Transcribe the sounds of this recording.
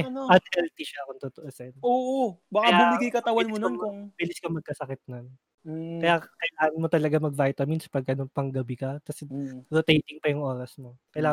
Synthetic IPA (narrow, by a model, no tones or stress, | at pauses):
ʔɛɐt̪hɛlt̪iʃɐɐkont̪ʊt̪oʔosɛnoːʔobakajbaʊmɪɡijkɐt̪awɐlmononkʊŋbɪlɪskɐmɐɡ̚kɐsɐkɪt̪̚non | kɐjakɐjlaːŋɐnmot̪ɐlɐɡamɐɡ̚vajt̪ɐmɪnspɐɡ̚ʔɐnopɐŋɡɐbɪkɐkɐsɛɾot̪ejt̪ɪŋpɐjʊŋʔoːɾɐsmokɐjlaː